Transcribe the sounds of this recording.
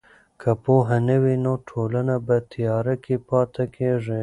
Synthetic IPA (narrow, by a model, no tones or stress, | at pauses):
kʰapoɦanəwinoʈʰolanabət̪ʰijɑːɾakepɑːt̪akʰeʐi